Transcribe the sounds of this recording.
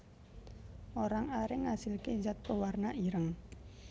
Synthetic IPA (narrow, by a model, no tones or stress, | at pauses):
oɾaŋaɾɪŋːasilked͡ʒat̪̚pəwarnaʔiɾəŋ